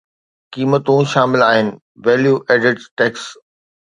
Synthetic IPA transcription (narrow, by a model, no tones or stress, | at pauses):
kiːmət̪ũʃaːmɪlaːɦɪnɪ̆ | ʋeːljuːʔeːɖɪʈzʈeːks